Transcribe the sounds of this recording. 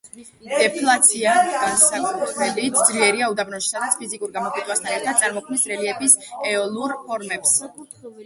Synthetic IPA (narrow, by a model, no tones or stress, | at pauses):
d̪̥ɛpʰlˠat̪sʰiaɡansakt̪ʰmɛlit̪ʰd̪zliɛɾiaud̪abnɔʃi̥sad̪at̪sʰpʰizikʼuɾɡamɔkʼwit̪ʼwast̪ʰanɛɾt̪ʰad̪̚tsʼaɾmɔkʰmnisɾɛliɛbisɛɔlˠuɾpʰɔɾmɛps